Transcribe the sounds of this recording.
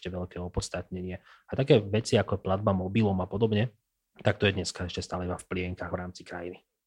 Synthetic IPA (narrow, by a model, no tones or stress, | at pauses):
cɛʋɛʎkɛːɔpɔtt͡sst̪at̪ɲɛɲɪɛ | at̪akɛːʋɛt͡siakɔɛplad̪̚bamɔbilɔmapɔd̪ɔbɲɛ | t̪ak̚t̪ɔjɛd̪ɲɛskaɛʃcɛst̪aːlɛibafplɪɛŋkaɣʋɾaːmt͡sikɾajini